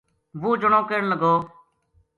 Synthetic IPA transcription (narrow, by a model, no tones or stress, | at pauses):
ʋuːd͡ʒʊɳõːkeɳləɡoː